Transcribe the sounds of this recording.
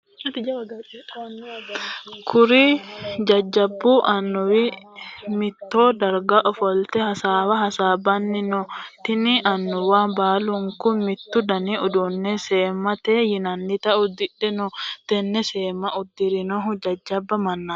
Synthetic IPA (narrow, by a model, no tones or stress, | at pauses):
kʰʊɾid͡ʒɐd͡ʒːɐbːuːʔɐnːʊwɪ | mɪt̪ːoːd̪ɐɾɡaʔɔfɔlt̪ɛhɐsaːwɐɦɐsaːbɐnːɪnɔt̪ɪniʔɐnːʊwaːbaːlʊŋkʊnmɪt̪ːʊd̪ɐniʊd̪ʊnːɛseːmɐt̪eːjɪnɐnːɪt̪ɐʔʊd̪ɪᶑɛnɔt̪ɛnːɛseːmɐʊd̪ːɪɾɪnɔɦʊd͡ʒɐd͡ʒːɐbːɐmɐnːa